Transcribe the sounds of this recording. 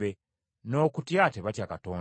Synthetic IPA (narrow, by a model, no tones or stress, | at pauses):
e | no̞ːkutjateβatjakato̞ːn